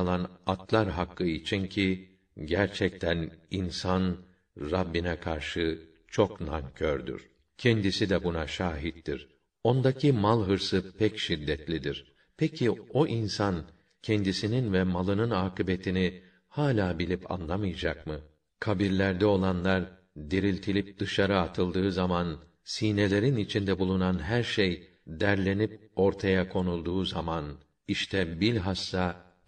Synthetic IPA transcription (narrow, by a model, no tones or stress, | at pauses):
lˠanat̪ʰlˠaɾɦakːɯit͡ʃʰincʰi | ɟæɾt͡ʃʰɛc̚t̪ʰæninsan | ɾabːinɛkʰaɾʃɯ | t͡ʃʰo̞knaŋcʰøɾd̪y̰ɾ̥ | cʰɛnd̪isid̪ɛbunaʃaːɦit̪ːiɾ̥ | o̞nd̪acʰimalˠɦɯɾsɯpʰɛcʃid̪ːɛt̪lʲid̪iɾ̥ | pʰɛcʰio̞ʔinsan | cʰɛnd̪isininvɛmalˠɯnɯnaːkɯbe̞t̪ʰini | haːlʲaːbilʲipʰa̰nlˠamɯjad͡ʒak̚mɯ | kʰabiɾlʲæɾd̪ɛo̞lˠanlˠaɾ | d̪iɾilʲt̪ʰilʲip̚d̪̥ɯʃaɾɯat̪ʰɯlˠd̪ɯːzaman | siːne̞lʲe̞ɾinit͡ʃʰind̪ɛbulˠunanɦæɾʃej | d̪æɾlʲe̞nip̚o̞ɾt̪ʰajakʰo̞nulˠd̪uːzaman | iʃt̪ʰɛbilʲɦasːa